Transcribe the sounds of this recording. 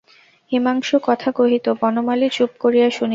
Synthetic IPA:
ɦimaŋʃokɔt̪ʰaɡoɦit̪obɔnomalit͡ɕup̚koɾijaʃuni

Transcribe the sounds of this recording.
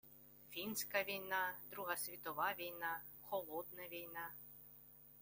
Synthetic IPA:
fʲinsʲkɐʋʲijnad̪̥ɾuɦɐsʲʋʲit̪ɔʋaʋʲijna | xɔlˠɔd̪nɐʋʲijna

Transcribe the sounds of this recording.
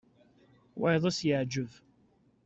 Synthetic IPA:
wɑ̰jðˤəsjəʕd͡ʒəv

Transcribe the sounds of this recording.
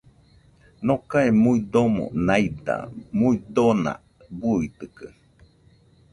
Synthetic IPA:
nokaemuid̪omo̰najd̪a̰muid̪onã̰ | buit̪ɯkɯ

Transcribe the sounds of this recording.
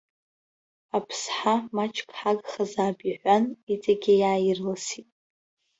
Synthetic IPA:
apʰsħamat͡ʃʰʼkʰʼħaɡχazaːbʼiħʷanit͡sʼaɡʲɪjaːjɪrlasitʼ

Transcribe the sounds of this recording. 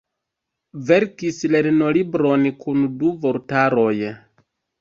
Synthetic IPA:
ve̞ɾkisle̞ɾno̞libɾo̞nkunduvoɾtaɾo̞j

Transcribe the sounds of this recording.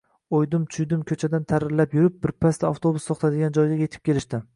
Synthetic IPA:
ojd̪ɪmt͡ʃ̪ʰʊjd̪ɪmkʲʰɵt͡ʃʰad̪ant̪ʰaɾɪɾlapjʊɾɪp̚bɪɾpʰast̪aaft̪ʰobʊsɒχt̪ʰad̪ɪɡʲand͡ʒɒjɡʲajʲe̞t̪ʰɪp̚kʰʲe̞lɪʃt̪ɪm

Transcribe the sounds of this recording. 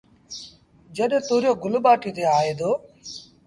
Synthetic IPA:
d͡ʒəɗẽt̪oːɾjoːɡʊlɓaːʈiːt̪eːaːeːd̪oː

